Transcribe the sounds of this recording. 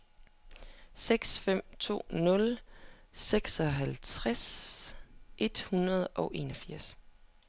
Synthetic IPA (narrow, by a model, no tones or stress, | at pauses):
seɡ̥sfem̰t͡sʰo̝̰ːnɔ̽l | seɡ̥sɒ̽ɦælt͡sʰʁas | ʔe̝d̥hunɐð̞ˠʔɒ̽ʊʔe̝̰ːnɒ̽fiɐ̰s